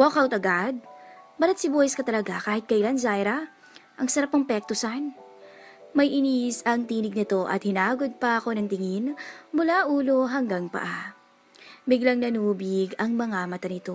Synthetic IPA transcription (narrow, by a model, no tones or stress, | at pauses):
wokawt̪ɐɡad̪̚bɐlɐt̪sɪbohɪskɐt̪ɐlɐɡakaːhɪt̪̚kɐʔɪlanzajɾɐ | ʔɐŋsɐɾapːɐŋpɛk̚t̪ʊsan | mɐjʔɪnisɐŋt̪iːnɪɡ̚nɪt̪o̞ʔɐ̰t̪̚hɪnaːɡo̞d̪̚pɐʔɐko̞nɐŋt̪ɪŋɪnmʊlaʔuːlo̞ɦɐŋɡaŋpɐ̰ʔa | bɪɡlɐŋnɐnuːbɪɡɐŋmɐŋamɐt̪ɐnɪt̪o̞